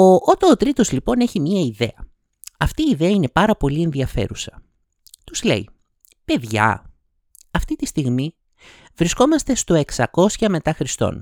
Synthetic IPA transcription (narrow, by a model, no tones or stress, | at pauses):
oʔot̪ɐot̪ɾit̪ozlipo̞ne̞çimɲiɐiðe̞̰ɐ | ɐft̪iːðe̞ɐine̞pɐɾɐpo̞lie̞nðiɐfe̞̰ɾusɐ̥ | t̪uzle̞̰i | pe̞ðʝɐ̰ | ɐft̪it̪ist̪iɣmi | vɾisko̞mɐst̪e̞st̪o̞e̞ksɐko̞sçɐme̞t̪ɐxɾist̪o̞̰n